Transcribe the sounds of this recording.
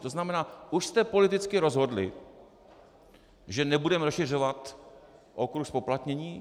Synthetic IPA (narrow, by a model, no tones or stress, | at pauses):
t̪o̞znamɛnaːʔuʃst̪ɛpo̞lɪt̪ɪt͡skɪɾo̞zɦo̞dlɪ̰ | ʒɛnɛbudɛmɾoʃɪr̝ovat̪ʔokɾuxspo̞plat̪ɲɛɲiː